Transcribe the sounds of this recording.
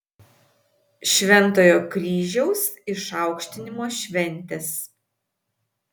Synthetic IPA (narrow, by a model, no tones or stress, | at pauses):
ʃʲʋʲɛnˑt̪oːjoːkɾʲiːʒʲɛʊsɪʃɑˑʊkʃʲt̪ʲɪnʲɪmoːʃʲʋʲɛnʲt̪ʲɛs